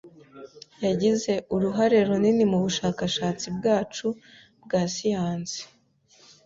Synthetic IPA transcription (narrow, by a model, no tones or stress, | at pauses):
jaɟize̞ʔuɾuɦaɾe̞ɾuninimuβuʃaːkaʃaːt͡sibɡaːt͡ʃu | bɡaːsijaːnzi̥